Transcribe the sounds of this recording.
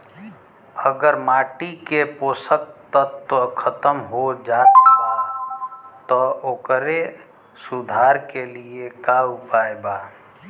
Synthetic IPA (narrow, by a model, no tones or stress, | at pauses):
əɡəɾmaʈikeposək̚t̪ət̪ːkʰət̪əmɦod͡ʒat̪ | t̪ɔokɾe | sud̪ʱaɾkeliekaupaeba